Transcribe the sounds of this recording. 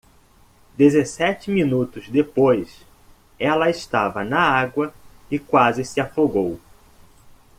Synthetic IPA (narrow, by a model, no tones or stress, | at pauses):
d̪ezesɛt͡ʃɪmĩnut̪ʊzd̪epojs | ɛlɐɪst̪avɐnɐaɡwɐɪkwazɪsɪafoɡow